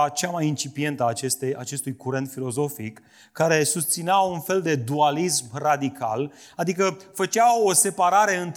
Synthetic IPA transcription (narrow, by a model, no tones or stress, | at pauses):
t͡ʃamajint͡ʃipie̞nt̪əat͡ʃe̞st̪ejat͡ʃe̞st̪ujkuɾe̞nt̪filo̞zo̞fikː | aɾe̞sust̪sineaunfe̞ld̪e̞d̪ualismrad̪ikʰa̰lad̪ikəfət͡ʃao̞se̞paɾaɾe̞ɨnt̪